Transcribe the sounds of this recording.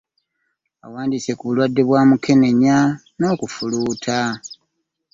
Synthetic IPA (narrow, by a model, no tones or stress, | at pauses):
a̰waːndiːse̞kuβulwadːe̞βwaːmuke̞ne̞ɲa | no̞ːkufuluːtʰa